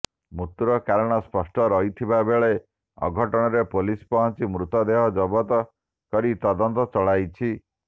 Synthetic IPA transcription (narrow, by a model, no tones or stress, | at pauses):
mut̪uɾɔkaɾɔɽ̃ɔspɔsʈɔɾɔɦit̪ʰibabeɭe | ɔ̰ɡʱɔʈɔɽ̃ɔɾepolispɔɦɔnt͡ʃimɾut̪ɔd̪eɦɔd͡ʒɔbɔt̪ɔ | kɔɾit̪ɔd̪ɔnt̪ɔt͡ʃɔɭajt͡ʃʰi